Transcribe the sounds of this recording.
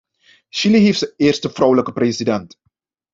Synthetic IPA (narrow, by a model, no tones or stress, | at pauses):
ʃiliɦifsəɪːrstəfrɔwləkəpresidɛnt